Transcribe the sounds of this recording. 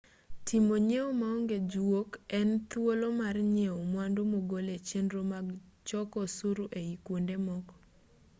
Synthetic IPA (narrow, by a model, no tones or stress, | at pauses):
tʰimoɲeomaoŋɡed͡ʒwokɛnt̪wolomarɲeomwandomoɡolet͡ʃendɾomaɡ | t͡ʃɔkɔsuɾuʔeikwondemɔk